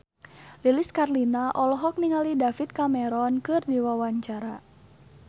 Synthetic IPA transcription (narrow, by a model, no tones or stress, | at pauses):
liliskarlinaʔɔlɔɦɔk̚niŋalidafit̪̚kamɛɾɔnkɨrdiwawaɲt͡ʃaɾa